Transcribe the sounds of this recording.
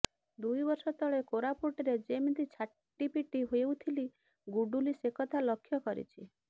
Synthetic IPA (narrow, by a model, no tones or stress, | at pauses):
d̪ujbɔɾsɔt̪ʰɔɭekoɾapoʈɔɾed͡ʒemid̪it͡ʃʰa | ʈːipiʈiɦojewt̪ʰili | ɡuɖulisekɔt̪ʰalɔkʰːjɔkɔɾḭt͡ʃʰi